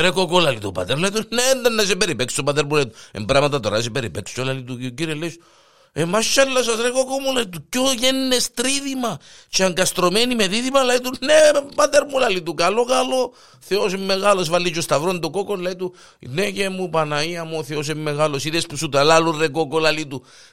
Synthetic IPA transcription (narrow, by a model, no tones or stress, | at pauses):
ɾekokolalit̪opa̰t̪eɾlait̪unneːnd̪ɐnːɐsepeɾipeksopɐt̪̬eɾmulɐit̪uḛmbɾamɐt̪ɐt̪oɾɐsepeɾipeksi̥olalit̪uciɾieleis | emaʃːalːɐs̬ɐsɾekokomulalit̪ukːoʝenːest̪ɾiðimɐt͡ʃeaŋɡɐst̪ɾomenimeðiðimɐlait̪unepat̪eɾmulalit̪ukalokalo̞ | θeosemːeɣalos̬valːit͡ʃost̪ɐvɾond̪okokollɐit̪u | nekemupɐnaiɐmoθeo̞s̬emːeɣalosiðespusut̪ɐlalurekokolalit̪u